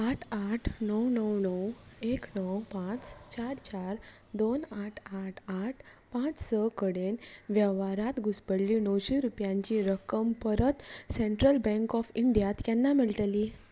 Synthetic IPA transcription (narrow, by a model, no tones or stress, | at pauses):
aʈʰaʈʰnəwnəwnəweknəwpãt͡st͡ɕaɾt͡ɕaɾ | d̪onaʈʰaʈʰaʈʰ | pãt͡ssəkəɽenʋjəʋaɾat̪ɡʱuspəɽliːnəwɕiɾupjãɲt͡ɕiːɾəkəmpəɾət̪seɳʈɾəlbɛ̃ŋkɔfiɳɖijat̪janːamiɭʈ̪liː